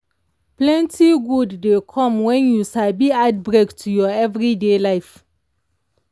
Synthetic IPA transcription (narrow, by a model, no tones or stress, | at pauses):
plɛ̃ntʰiɡudːekʰɔ̃mwɛ̃njusabiad̚bɹektʰːujɔɛvɹidelaɪf